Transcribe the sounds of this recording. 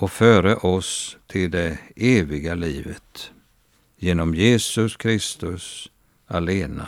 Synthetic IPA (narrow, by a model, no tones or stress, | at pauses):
ɔfœːɾəʔɔst̪ʰɪld̪ɛeːvɪɡaliːvət̪ | jeːnɔmjeːsɵskʰɾɪst̪ɵs | aleːna̰